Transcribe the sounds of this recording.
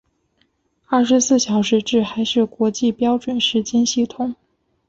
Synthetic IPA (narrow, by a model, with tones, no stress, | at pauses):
ɐ˥˩ʂɻ̩˧˥sɹ̩˥˩ɕjɑ˨˩ʊʂɻ̩˧˥ʈ͡ʂɻ̩˥˩xa˧˥ɪʂɻ̩˥˩kwɔ˧˥t͡ɕi˥˧pjɑ˥ʊʈ͡ʂwə˨˩nʂɻ̩˧˥t͡ɕjɛ˥nɕi˥˩t̪ʰʊ˧˥˦ŋ